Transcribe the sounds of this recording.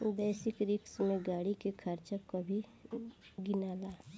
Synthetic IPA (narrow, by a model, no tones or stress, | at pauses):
bɛːsɪkɾɪksmẽɡaːɽikekʰəɾt͡ʃəkːobʱi | ɡɪnaːlaː